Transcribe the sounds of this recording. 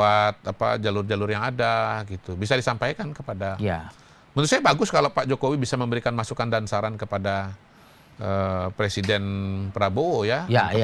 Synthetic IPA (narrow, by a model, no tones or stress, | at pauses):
at̪̚apa̰d͡ʒalʊrd͡ʒalʊrjaŋadaɡit̪ubisadisampajkankəpadaa | mənʊsajabaɡʊskalopad͡ʒokowibisaməmbəɾikanmasukandansaɾankəpada | əpɾesidɛnpəɾabojaja